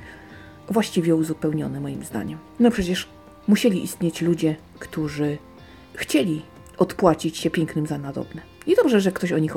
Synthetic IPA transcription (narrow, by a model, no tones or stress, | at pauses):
vwaɕt͡ɕivʲɛuzupɛwɲɔnɛmɔjimzd̪a̰ɲɛm | nɔpʂɛt͡ɕɛʂ | muɕɛlʲiʔḭst̪ʲɲet͡ɕlud͡ʑɛ | kt̪uʐɘ | xt͡ɕelʲi | ɔt̪pwat͡ɕit͡ɕɕɛpʲjɛŋknɘmzanad̪ɔ̰bnɛ | id̪ɔbʐɛʐɛkt̪ɔɕɔɲix